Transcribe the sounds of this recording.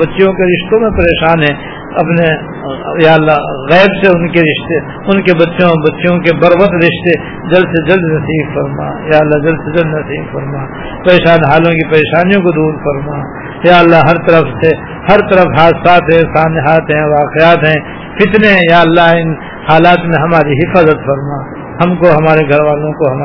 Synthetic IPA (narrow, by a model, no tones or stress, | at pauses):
bɐtːʃõkeɾɪʃt̪õmẽpɐɾeːʃaːnɦɛ̃ | ɐpne | jaːlːaːɣɛːbseʊnkeɾɪʃt̪e | ʊnkebɐtːʃõbɐtːʃjõkebɐɾʋət̪ɾɪʃt̪e | d͡ʒɐld̪sed͡ʒɐld̪nɐsiːbfɐɾma̰ːjaːɐlːad͡ʒɐld̪sed͡ʒɐld̪nɐsiːbfɐɾmaː | pɐɾeːʃaːnɦaːlõkipɐɾeːʃaːnijõkod̪uːɾfɐɾmaː | jaːɐlːaɦɦɐɾt̪ɐɾəfse | hɐɾt̪ɐɾəfɦaːt̪saːt̪ɦɛ̃saːneɦaːt̪ɦɛ̃ʋaːqejaːt̪ɦɛ̃ː | fɪt̪nejaːɐlːaɪn | haːlaːt̪mẽɦɐmaːɾiɦɪfaːzət̪fɐɾmaː | hɐmkoɦɐmaːɾeɡʱɐɾʋaːlõkoɦɐma